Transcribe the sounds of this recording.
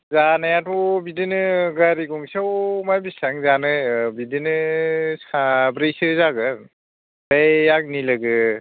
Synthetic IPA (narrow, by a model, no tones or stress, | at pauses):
zanajatʰɔbidɯnɯɡaɾiɡɔŋsawmajbisaŋzanɯjbidinɯsabɾejsɯzaɡɯɾ | dajak̚nilɯɡɯ